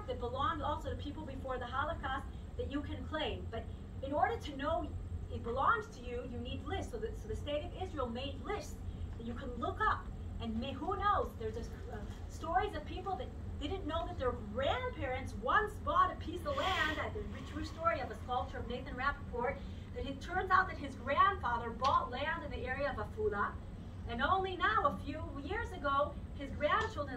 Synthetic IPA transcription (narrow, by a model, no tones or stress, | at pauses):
ðɨt̚b̥əlɔ̃ŋdɔlˠsoʊɾɨpʰipl̩ˠbɨfɔɹðəɦɑlˠəkʰɑst̚ | ðɨt͡ʃɨkʰɨ̃nkʰl̥ẽɪ̃mb̥ʌɾ | ɨ̃nɔɹɾə˞ɾɨnoʊɨt̚b̥əlɔ̃ŋz̥tʰɨjɨjɨnidˡlɪstsoʊðɨsoʊðɨsteɪɾʌvɪzɹil̩ˠmeɪdˡlɪstðɨt͡ʃɨkʰɨ̃nlʊkʌp̚ɨ̃nmehunoʊzðə˞zɨ | stɔɹizʌv̥pʰipl̩ˠðɨt̚d̥ɪdⁿn̩noʊðɨt̪̚ðə˞ɡɹæ̃npʰɪɹɨ̃ntswʌ̃nsb̥ɔɾɨpʰisðəlæ̃ndɨt̪̚ðɨɹɨtʰɹ̥ʉstɔɹiʌvəskʌlˠp̚t͡ʃə˞ʌvneɪθɨ̃nɹæfəpʰɔɹt̪̚ | ðɨt̚itʰɜ̃˞ndaʊt̪̚ðɨt̚hɨzɡɹæ̃nd̥fɑðə˞bɔtˡlæ̃ndɨ̃nðiɛɹiɨʌvəfulə | ɨ̃nõʊ̃nlinaʊəfjujɪɹzɨɡoʊ | ɨzɡɹæ̃nt͡ʃʰɪlˠdɹə̃